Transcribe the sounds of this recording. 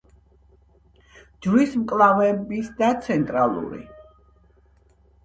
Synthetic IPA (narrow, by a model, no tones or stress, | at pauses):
d͡ʒlismkʼlˠavɛbisd̪at̪sʰɛnt̪ʼɾalˠṵɾḭ